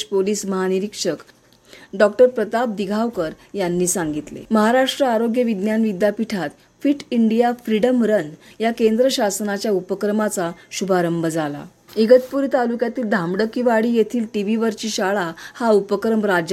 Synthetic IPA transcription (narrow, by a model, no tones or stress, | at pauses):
poliːsməɦaniɾikʂək | ɖɔkʈəɾpɾət̪ap̚d̪iɡʱawkəɾjanːiːsaŋɡit̪lḛməɦaɾaʂʈɾəaɾoɡjəʋid̪njanʋid̪japiʈʰat̪ | fiʈʰiɳɖijafɾiɽəmɾənjakend̪ɾəɕasnat͡ɕjaupəkɾəmat͡saɕubʱaɾəmbʱəd͡zala̰ | iɡət̪puɾiːt̪alukjat̪iːld̪ʱamɽəkiʋaɽiːjet̪ʰiːlʈiʋiʋəɾt͡ɕiːɕaɭahaupəkɾəmɾad͡ʑ